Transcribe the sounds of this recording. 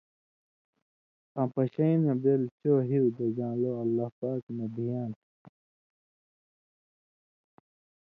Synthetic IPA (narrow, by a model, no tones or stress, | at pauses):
ãpɐɕɐinɐbelt͡ɕoːɦiud̪ɐd͡ʑãːloɐlːaːhpaːknebʱijaːn